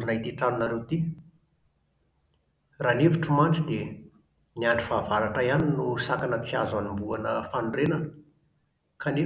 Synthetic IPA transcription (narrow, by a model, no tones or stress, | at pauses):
inait̪iʈ͡ʂanunaɾewt̪i | raneviʈ͡ʂəmant͡sid̪e | niaɳɖ͡ʐi̥favaɾaʈ͡ʂajaninusakanət͡siazanimbuanəfanuɖ͡ʐenən | kʰane